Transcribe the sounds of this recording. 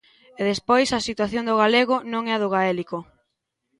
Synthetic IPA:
eðespojsɐsit̪waθjond̪ʊɣ̞aleɣʊnõŋɛɐðoɣaɛliko

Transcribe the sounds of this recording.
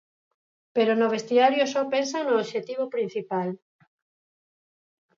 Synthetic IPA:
peɾonoβ̞est̪iaɾjosɔpensanoːʃet̪iβ̞opɾin̟θipal

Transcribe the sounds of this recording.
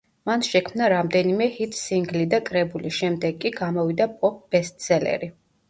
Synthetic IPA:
manʃɛkʰmnaɾamd̪ɛnimɛhit̪ʰʼsiŋɡlid̪akʼɾɛbulisʃɛmd̪ɛɡːʼiɡamɔvid̪apʼɔp̚ʰb̥ɛst̪̚ʼsɛlɛ̰ɾi

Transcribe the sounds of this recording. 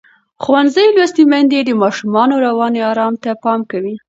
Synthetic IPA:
xuwanzəjlwast̪imand̪ed̪əmɑʃumɑnoɾawɑneɑɾɑmt̪apɑmkawi

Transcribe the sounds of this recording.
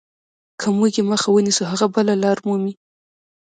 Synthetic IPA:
kʰamuɡeməxawənisuɦaɣabəlalɑɾmumi

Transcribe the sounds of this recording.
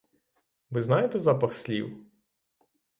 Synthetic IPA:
ʋɪznɑjet̪ɛzɑpɐxsʲlʲḭw

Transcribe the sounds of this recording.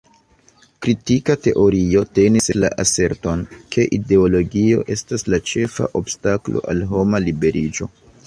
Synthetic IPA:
kɾitikate̞ʔo̞ɾio̞te̞nisela̰ʔase̞ɾtonkʰe̞ʔide̞o̞lo̞ɡio̞̰ʔe̞staslat͡ʃe̞fa̰ʔo̞bstaklo̞̰ʔalɦo̞malibe̞ɾid͡ʒo̞

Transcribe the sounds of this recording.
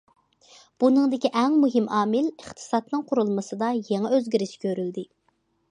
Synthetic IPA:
b̥unɨŋd̪ɪkʲiʔɛŋmuɦɪmʔɑːmɪləχt̪ʰɨ̥sɑt̪nɨŋqʰʊɾulˠmɨsɨd̪ɑjeŋɛøzɡʲiɾɪʃɪ̥kʲʰøɾyld̪ɪ

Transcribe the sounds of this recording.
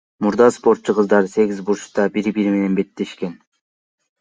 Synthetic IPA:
muɾd̪ɑspo̞ɾt̪t͡ʃːuqɯzd̪ɑɾse̞ɡʲizbuɾt͡ʃt̪ɑbiɾbiɾme̞ne̞nbe̞t̪ːe̞ʃke̞n

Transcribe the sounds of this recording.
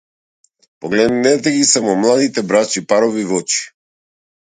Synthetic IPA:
pɔɡlɛd̪nnɛt̪ɛɡisamɔmlˠad̪it̪ɛbɾat͡ʃipaɾɔvivɔt͡ʃi̥

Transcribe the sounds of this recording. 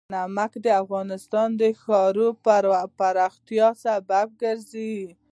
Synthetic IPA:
namakd̪əafɣɑnɪst̪ɑnd̪əxɑɾoppaɾɑxt̪jɑsabab̚ɡəɾzi

